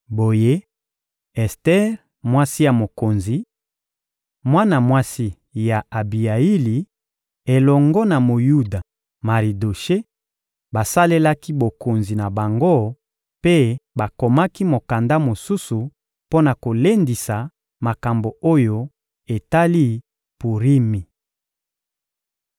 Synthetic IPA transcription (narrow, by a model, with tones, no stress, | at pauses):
bo˨je˦ | ɛ˨stɛ˦ʁ | mwa˦si˦ja˨mo˨ko˨nzi˨ | mwa˦na˨mwa˦si˦ | ja˨a˨bi˨a˨i˦li˨ | e˨lɔ˨ŋɡɔ˦na˨mo˨ju˦da˨ | ma˨ʁi˨do˨ʃe˦ | ba˨sa˦le˦la˦ki˦bo˨ko˨nzi˨na˨ba˨ŋɡo˦ | pe˦ba˨ko˨ma˦ki˦mo˨ka˨nda˦mo˨su˦su˨ | po˦na˨ko˨le˦ndi˨sa˨ | ma˨ka˨mbo˨o˦jo˦ | e˨ta˦li˦ | pu˨ʁi˦mi˨